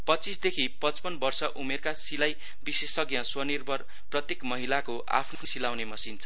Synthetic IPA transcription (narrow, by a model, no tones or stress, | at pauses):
pʌt͡sisd̪ekʰipʌt͡spʌnbʌrsʌʔumerkasilaj | bisesʌɡjʌswʌnirbʱʌr | prʌt̪jekmʌɦilakoʔa̰pʰnnosilawnemʌsint͡sʰʌ